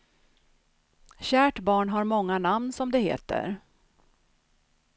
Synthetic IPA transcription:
ɕæːʈbɑːɳɦaɾmɔŋːanamnsɔmd̪ɛhḛːt̪ə̰ɾ

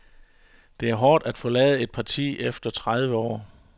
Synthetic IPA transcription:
d̥e̝æɐɦɒːd̥æd̥fɒ̽lɛ̰ːð̞̩ˠe̝d̥̚pʰɑ̈t͡sʰḭːʔefd̥ɐt͡sʰʁað̞ˠʋəɒ̰ː

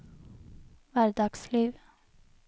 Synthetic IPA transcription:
ʋæɾɖ̪ɑɡ̥sliːʋ

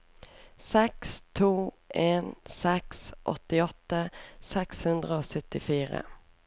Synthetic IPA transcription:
sɛkst̪ʰuː | ʔeːnsɛksʔɔ̰t̪ːɪɔt̪ːəsɛkshɵnd̪ɾəoːsœt̪ːɪfiːɾə̰

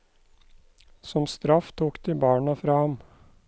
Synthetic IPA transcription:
sɔmst̪ɾɑft̪ʰuːkd̪iːbɑːɳɑfɾɑːhɑm

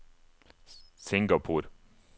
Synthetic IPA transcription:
sɪŋɡɑpʰuːɾ

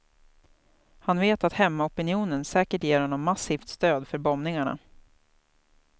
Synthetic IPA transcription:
hanveːt̪at̪hɛmːaɔpɪnɪuːnənsɛːkəʈjeːɾhɔnːɔmːasiːft̪st̪øːd̪fœɾbɔmnɪŋaɳa̰

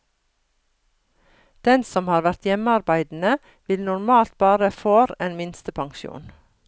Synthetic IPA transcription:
d̪̥ɛnsɔmhɑːɾʋæɾt̪jɛməɑɾbæɪd̪n̩ə | ʋɪlnʊɾmɑːlt̪̚bɑːɾəfoːɾeːnmɪnst̪əpʰɑŋʃṵːn

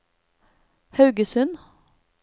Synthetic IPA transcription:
hɑʉɡəsʉn

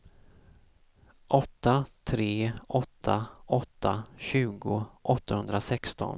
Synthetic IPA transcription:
ʔɔt̪ːat̪ʰɾeːʔɔt̪ʰːaʔɔt̪ʰːaɕʉ̟ːɡʊʔɔt̪ːahɵnd̪ɾasɛkst̪ɔ̰n

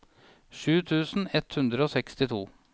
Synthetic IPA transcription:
ʃʉːt̪ʰʉːsn̩ɛt̪hʉnd̪ɾəoːsɛkst̪ɪt̪ʰuː

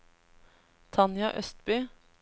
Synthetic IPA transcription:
t̪ʰɑnjɑ̰ʔœst̪byː

